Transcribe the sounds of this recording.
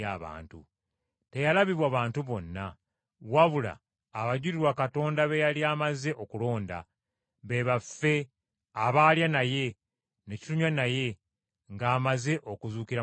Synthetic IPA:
aβa̰ːntṵ | te̞jalaβiβwaβaːntuβo̞nːa | waβula̰ː | βaɟuɾiɾwakato̞ːndaβejaliaːmaze̞ʔo̞kulo̞ːnda̰ | βe̞βafːe̞ | aβaːljanaje̞ | ne̞ci̥tuɲwanaje̞ | ŋɡaːmaze̞ʔo̞kuzuːkiɾa

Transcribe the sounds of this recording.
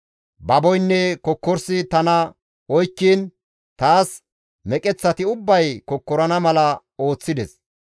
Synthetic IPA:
bɐbɔjnːɛkɔkːɔɾsɪt̪ɐnɐ | ɔjkːiːn | t̪aːs | mɛkʼɛt͡sːɐt̪ɪʊbːɐjkɔkːɔɾɐnɐmɐlɐ | o̞ːt͡sːɪd̪ɛs

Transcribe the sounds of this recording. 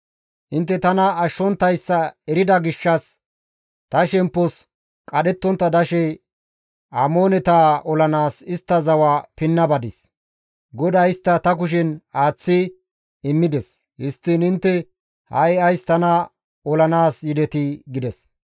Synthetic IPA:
ʔɪnt̪ːɛt̪ɐnɐːʃːɔnt̪ːɐjsːɐɛɾɪd̪ɐɡɪʃːɐs | t̪ɐʃɛmpːɔs | kʼɐɗɛt̪ːɔnt̪ːɐd̪ɐʃɛ | ʔaːmoːnɛt̪aːɔlɐnaːsɪst̪ːɐzɐwaːpɪnːɐbɐd̪ɪs | ɡɔd̪ɐjst̪ːɐt̪ɐk̬ʊʃ̬ɛnaːt͡sːɪ | ɪmːɪd̪ɛs | hɪst̪ːɪnɪnt̪ːɛ | hɐ̰jɐjst̪ɐnɐ | ɔlɐnaːsjɪd̪ɛt̪ɪɡɪd̪ɛs

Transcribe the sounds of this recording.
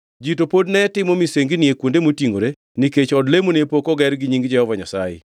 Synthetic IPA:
d͡ʒitopodnɛtɪmɔmiseŋɡinɪekwondemotiŋoɾe | niket͡ʃɔdlemonepokɔɡɛɾɡɪɲiŋɡd͡ʒɛhɔvaɲasajḛ

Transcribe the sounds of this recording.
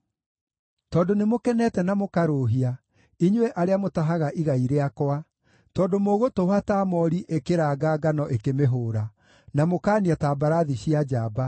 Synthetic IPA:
tɔːndonemokɛnɛtɛnamokaɾoɦia | iɲwɛʔaɾeamotaɦaɣaʔiɣaiɾeakɔa | tɔːdomoːɣotohataːmɔɾiʔekeɾaːɡaːɡanɔʔekemeɦoːɾa | namokaːniataːbaɾaðiɕiad͡ʒaːba

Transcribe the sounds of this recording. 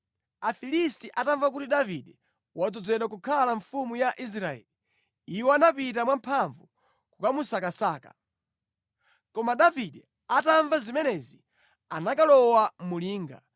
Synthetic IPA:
afilistiʔataɱvak̬utiɗaviɗɛ | wad͡zɔd͡zɛɗwakukʰalaɱfumujaʔis̬ɾaɛ̰li | iwɔanapit̬amwam̩pʰaɱvu | kukamusakasaːkḁ̰ | kɔmaɗaviɗɛ | ataɱvazimɛnɛzi | anakalɔwamuliːŋɡa

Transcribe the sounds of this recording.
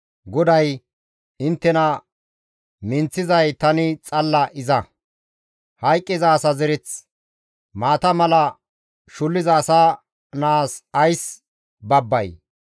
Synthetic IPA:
ɡɔd̪ɐj | ɪnt̪ːɛnɐ | mɪnt͡sːɪzɐjt̪ɐnɪt͡sʼɐlːɐʔɪzɐ | hɐjkʼːɪzaːsɐzɛɾɪt͡s | maːt̪ɐmɐlɐ | ʃʊlːɪzɐːsaː | naːsɐjs | bɐbːɐ̰j

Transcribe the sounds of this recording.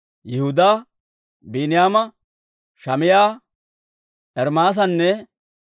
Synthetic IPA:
jɛhʊd̪aː | biːnɪjaːmɐ | ʃɐmɪjaː | ʔɛɾmaːs̬ɐnːɛ

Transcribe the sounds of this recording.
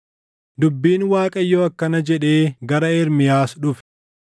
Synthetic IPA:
d̪ʊbːiːnwaːkʼɐjːoːɐkːɐnɐd͡ʒɛᶑe̞ːɡɐɾɐɛɾmɪjaːsᶑʊf

